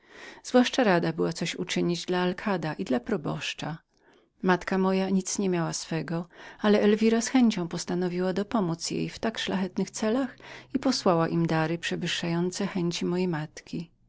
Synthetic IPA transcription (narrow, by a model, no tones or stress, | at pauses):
z̥vwaʂt͡ʂaɾad̪abɘwat̪sɔɕṵt͡ʂɘɲid͡ʑd̪laːlkʰad̪aʔid̪lapɾɔbɔ̰ʂt͡ʂa | mat̪kamɔjaɲit̪sɲɛmʲjawasfɛɡɔalɛʔɛlvʲiɾasxɛɲt͡ɕɔ̃w̃pɔst̪anɔvʲiwad̪ɔpɔmut̪sjḛjft̪akʂlaxɛt̪nɘxt̪sɛlaxipɔswawaʔimd̪aɾɘpʂɛvɘʂːajɔnt̪sɛxɛɲt͡ɕimɔjejmat̪kʲi